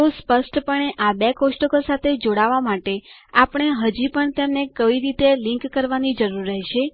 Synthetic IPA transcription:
t̪ospəsʈpəɳeʔabekosʈokəlsat̪ʰed͡ʒoɽaʋamaʈe | apəɳ̃eɦəd͡ʒipəɳt̪jemnekəʋiɾit̪elĩŋkːəɾʋanid͡ʒəɾuɾːɛɦʃe

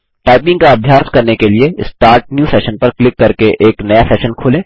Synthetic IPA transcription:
ʈaːɪpɪ̃ŋɡkaɐbʱjaːskɐɾnekelieɪsʈaːɾʈ̚njuːsɛːʃənpɐɾklɪkːɐɾkeʔeːknɐjasɛːʃənkʰoːlẽː

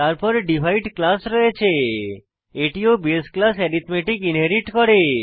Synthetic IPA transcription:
t̪aɾpɔɾɖibʱajɖklasɾɔet͡ʃʰe | eʈiobesklasɛɾit̪meʈikinɦeɾiʈkɔɾe

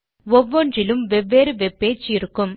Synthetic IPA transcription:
ɔʋːɔɳdrɪlɯmʋɛʋːeːɾɯʋɛpːeːt͡ʃːɪɾɯkːɯm

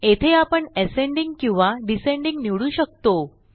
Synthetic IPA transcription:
et̪ʰeapəɳɛsẽɳɖiŋɡkĩw̃ʋaɖisẽɳɖiŋɡniɭuːɕək̚t̪o

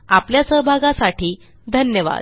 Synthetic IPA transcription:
apljasəɦbʱaɡãsaʈʰiː | d̪ʱənjəʋa̰d̪

